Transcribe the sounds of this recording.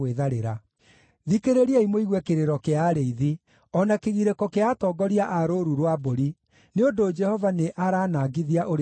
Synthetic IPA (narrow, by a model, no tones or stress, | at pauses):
eðaɾeɾa | ðikeɾeɾiaimoiɣwɛkeɾeɾɔkeaɾeiði | ɔnakeɣiɾekɔkeatɔːɡɔɾiaʔaɾoɾuɾwaboɾi | neondod͡ʒɛhɔvaneʔaɾaːnaːɡiðiaʔoɾ